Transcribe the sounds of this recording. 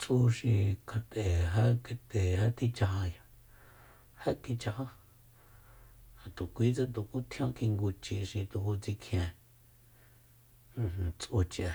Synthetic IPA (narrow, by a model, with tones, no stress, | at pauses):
t͡sʔu˧ʃĩ˧kʰa˧t̪e˨ɦa˦ke˧t̪e˨ha˦t̪i˦˧t͡ʃa˧ha˧ja˧ | ha˦ki˧t͡ʃa˧ha˦ | ha˨t̪u˨kʷi˦t͡sa˦t̪u˨ku˦t̪ʰj̃õ˦ki˧ŋɡu˧t͡ʃi˧ʃĩ˧t̪u˧hu˧t͡si˧kʰj̃ẽ˧˨˧ | t͡sʔu˧t͡ʃa˧